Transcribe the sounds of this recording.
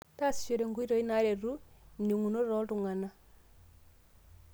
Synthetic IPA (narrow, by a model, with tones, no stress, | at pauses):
ta˦˨st͡ʃo˨ɾe˨ŋɡu˦i˦ɾo˨i˦na˨˦ɾe˨ɾu˦ni˨ŋu˨no˦ɾɔ˦ltu˨ŋa˨na˦